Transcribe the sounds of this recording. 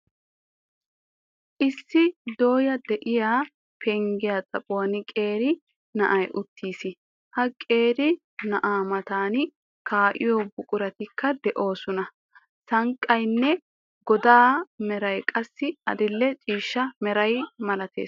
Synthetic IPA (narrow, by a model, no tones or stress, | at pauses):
ʔɪsːɪd̪o̞ːjɐd̪ɛʔɪjaː | pʰɛŋɡɪjaːt͡sʼɐpʼowɐnɪkʼe̞ːɾɪ | nɐʔɐjʔʊt̪ːiːsɪ | hɐkʼe̞ːɾɪ | nɐʔaːmɐt̪aːnɪ | kʰaːʔɪ̰joːbʊkʼʊɾɐt̪ɪkʰːɐd̪ɛʔo̞ːsɔnɐ | sɐŋkʼːɐjnːɛ | ɡɔd̪aːmɛɾɐjkʼɐsːɪɐ̰d̪ɪlːɛt͡ʃʼiːʃːɐmɛɾɐjmɐlɐt̪ḛːs